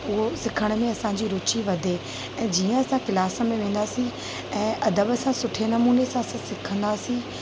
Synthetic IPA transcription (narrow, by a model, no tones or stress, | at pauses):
ʊɦosɪkʰəɽ̃mẽɐsãɲd͡ʑiːɾʊt͡ɕiʋɐd̪ʱe | ɛ̃ːd͡ʑiːə̃ɐsãkɪlaːsəmẽʋẽːn̆d̪aːsĩ | ɛ̃ːʔɐd̪əbɐsãsʊʈʰenɐmuːnesãɐsãsɪkʰə̃nd̪aːsĩ